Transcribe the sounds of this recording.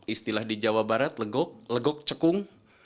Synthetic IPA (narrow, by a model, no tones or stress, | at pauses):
ist̪ilahdid͡ʒawabaɾat̪̚ləɡɔk̚ləɡɔk̚t͡ʃəkʊŋ